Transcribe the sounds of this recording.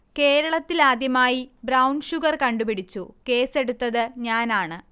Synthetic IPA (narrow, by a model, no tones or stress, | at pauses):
ke̞ːɾɐɭɐt̪ːilaːd̪jɐmaːjibrɐwnɕuɣɐrkɐɳɖupiɽit͡ɕːuke̞ːse̞ɽut̪ːɐðɨɲaːnaːɳɨ